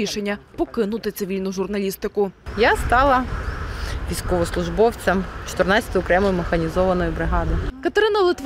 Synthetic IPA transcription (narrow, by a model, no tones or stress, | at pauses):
iʃenʲːɐpɔkɪnʊt̪ɪt̪sɪʋʲilʲnʊʒʊrnɐlʲist̪ɪkʊjast̪ɑlˠɐ | ʋʲijskɔʋɔslˠʊʐbɔwt̪sʲɐmt͡ʃɔ̥t̪ɪrnasʲt̪ɔjʊkɾɛmɔjʊmexɐnʲizɔʋɐnɔjʊbɾɪɦɑd̪ɪkɐt̪eɾɪnɐlˠɪt̪ʋ